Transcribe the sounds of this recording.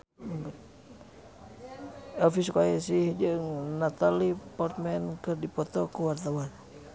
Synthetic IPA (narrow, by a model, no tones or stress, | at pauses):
ŋɡt̪̚ | ɔfiskaɛsihd͡ʒəŋnat̪alipɔrt̪̚mɛnkɨrdipɔt̪ɔkəwart̪awan